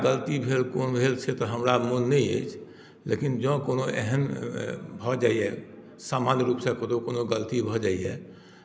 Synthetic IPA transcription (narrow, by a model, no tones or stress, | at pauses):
ɡəlt̪ibʱelkoːnbʱelt͡ʃʰet̪ɔɦəmɾamonːɛiḛt͡ʃʰ | lekind͡ʒɔ̃koːnoʔɛ̰ɦɛm | bʱɔd͡ʒaːiɛ | samanɾupsẽkod̪okoːnoɡəlt̪ibʱɔd͡ʒaːiɛ̰